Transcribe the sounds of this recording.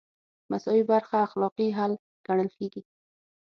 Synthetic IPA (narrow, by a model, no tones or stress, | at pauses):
masɔwibaɾxaːxlɔqiɦal | ɡ̥aɳ̃əlkeɡi